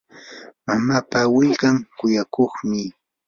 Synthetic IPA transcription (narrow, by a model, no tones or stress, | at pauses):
mamaːpawɪlkaŋkʊjakoχmɪ